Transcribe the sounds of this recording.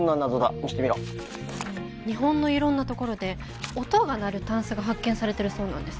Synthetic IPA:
nːãnːazod̪a̰miɕi̥t̪emʲiɾo | ɲ̟iɦõ̞nːo̞iɾõ̞nːat̪o̞ko̞ɾo̞d̪e̞ | ot̪oɡanaɾɯ̟t̪ãɰ̃sɨɡaɦakːẽ̞ɰ̃saɾe̞t̪e̞ɾɯ̟so̞ːnãnd̪e̞sɨ̥

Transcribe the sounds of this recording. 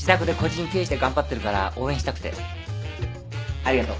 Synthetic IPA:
d͡ʑi̥t̪akɯ̟d̪e̞ko̞d͡ʑĩɲit̪e̞ːɕi̥t̪e̞ɡãmbat̪ːeɾɯ̟kaɾa̰ʔo̞ːẽɕit̪akɯ̟t̪ḛ | aɾʲiɡat̪o

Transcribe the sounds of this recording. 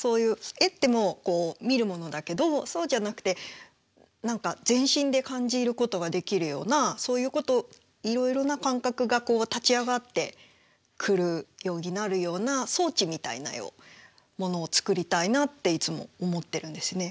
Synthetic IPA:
so̞ːjɯ̟ːe̞t̪ːe̞mo̞ko̞ːmʲiɾɯ̟mo̞no̞d̪ake̞d̪o̞so̞ːʑanakɯ̟̥t̪e̞ | nãŋkazẽ̞ɰ̃ɕĩnd̪e̞kãɲ̟d͡ʑiːɾɯ̟ko̞t̪o̞ɡad̪e̞kʲiɾɯ̟jo̞̰ːnaso̞ːjɯ̟ːko̞t̪o̞ | iɾo̞iɾo̞nakãŋkakɯ̟ɡako̞ːt̪at͡ɕiaɡat̪ːe̞ | kʰɯ̟ɾɯ̟jo̞ːɲʲinaɾɯ̟jo̞ːnaso̞ːt͡ɕimʲit̪a̰ḭna̰jo̰ː | mo̞no̞ːt͡sɨ̥kɯ̟ɾʲit̪ainat̪ːe̞it͡sɨmo̞̰ːmo̞t̪ːe̞ɾɯ̟̃nd̪e̞sɨne̞

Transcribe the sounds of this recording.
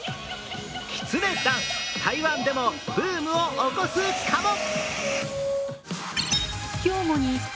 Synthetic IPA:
kʲi̥t͡sɨnẽ̞t̪ãŋt̪ʰaiβãnd̪e̞mob̥ɯːmɯ̟oʔokosɨ̥kʰamo | kʲoːmoɲ̟i

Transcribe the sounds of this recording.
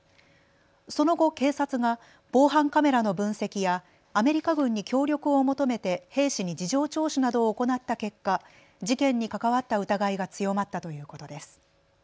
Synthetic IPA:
so̞no̞ɡo̞ke̞ːsat͡sɨɡa | b̥o̞ːɦãŋkame̞ɾano̞bɯ̟̃ɰ̃se̞kʲijaː | me̞ɾʲikaɡɯ̟̃ɲ̟ːikʲo̞ːɾʲjo̞kɯ̟o̞mo̞t̪o̞me̞t̪e̞he̞ːɕiɲ̟id͡ʑiʑo̞ːt͡ɕo̞ːɕinad̪o̞ːko̞nat̪ːake̞kːa | d͡ʑikẽ̞ɲ̟ːikakaβ̞at̪ːaɯ̟t̪aɡaiɡat͡sɨjo̞mat̪ːat̪o̞jɯ̟ːko̞t̪o̞d̪e̞sɨ̥

